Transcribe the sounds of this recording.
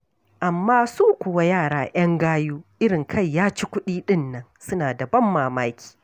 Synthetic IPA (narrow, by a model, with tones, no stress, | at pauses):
ʔa˨mːaː˦suː˦kʷʊ˨wa˦jaː˦˨ɽaː˨ʔɐ˦ŋɡaː˦juː˦ʔɪ˦ɽɪ˨ŋkʰɐ˦˨jːaː˦t͡ʃi˦kʷʊ˦ɗiː˦ɗɪ˦nːɐ˦nsʊ˦naː˨da˨bɐ˦mːaː˨maː˦kʲi̥ː˨